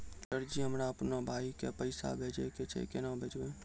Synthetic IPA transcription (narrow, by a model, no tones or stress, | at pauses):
ʈəɾd͡ʒiɦəmɾaəpnabʱaːikepəɪsa̰bʱeːd͡ʒeket͡ʃʰḛkenãbʱeːd͡ʒʋẽː